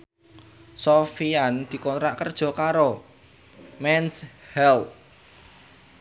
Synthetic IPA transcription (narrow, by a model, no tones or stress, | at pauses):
sɔfiand̪̥i̤kɔnt̪ɾaʔkərd̥ʒ̥ɔ̤kaɾo | mɛnshɛlt̚